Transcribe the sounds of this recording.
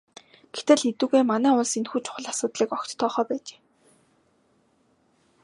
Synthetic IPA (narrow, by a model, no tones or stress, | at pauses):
ɡ̥et̪ɘ̆ɮet̪uːɣeːmanæːʊɮsenxuːt͡ɕʰʊ̥χə̆ɮasʊːt̪ɮiːkɔkt͡ɕt̪ʰːɔːχɔːpæːt͡ɕe̥ː